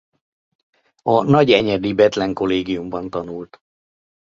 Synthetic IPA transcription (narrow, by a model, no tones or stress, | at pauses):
ɒnɒɟɛɲɛd̪ibɛt̪lɛŋko̞leːɡijumbɒnt̪ɒnult̪